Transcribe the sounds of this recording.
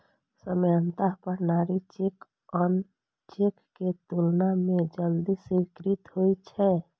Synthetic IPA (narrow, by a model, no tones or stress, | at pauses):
səmjənt̪aɦpəɾnaɾit͡ʃek | ɔn | t͡ʃekːet̪ulnamed͡ʒəld̪isikɾit̪ɦojt͡ʃʰɛ